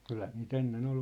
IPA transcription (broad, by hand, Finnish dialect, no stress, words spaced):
kylhæ niːt enːen ol